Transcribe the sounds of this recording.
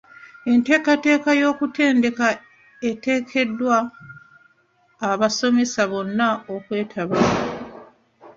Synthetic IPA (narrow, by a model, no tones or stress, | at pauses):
e̞nte̞ːkate̞ːkajo̞ːkute̞ːnde̞ka | e̞te̞ːkʰe̞dːwa | βaso̞me̞saβo̞nːaokwe̞ːtʰaβa